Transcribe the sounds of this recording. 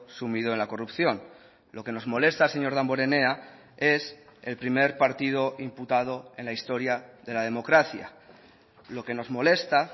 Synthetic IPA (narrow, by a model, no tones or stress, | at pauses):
sumið̞oe̞nlako̞rupθjo̞n | lo̞ke̞no̞zmo̞le̞st̪ase̞ɲo̞ɾð̞ambo̞ɾe̞ne̞a | e̞se̞̰lpɾime̞ɾpaɾt̪ið̞o̞imput̪að̞o̞e̞nlaist̪o̞ɾjaðe̞lað̞e̞mo̞kɾaθja̰ | lo̞ke̞no̞zmo̞le̞st̪a